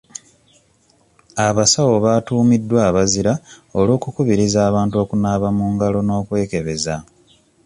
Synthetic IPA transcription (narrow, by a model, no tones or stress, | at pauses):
aβasawo̞βaːtuːmidːwaːβaziɾao̞lo̞ːkukuβiɾizaːβaːntuo̞ːkunaːβamuːŋɡalo̞no̞ːkwe̞ːke̞βe̞za